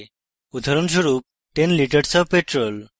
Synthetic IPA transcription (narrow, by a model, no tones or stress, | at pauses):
ud̪ʱaɾonʃoɾup̚ | ʈenliʈəɾsɔbpeʈɾol